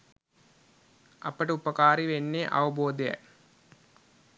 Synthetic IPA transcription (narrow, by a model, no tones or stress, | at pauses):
ɐpəʈəupəkaːɾiʋenːeʔa̰ʋɐboːd̪ejɛ̰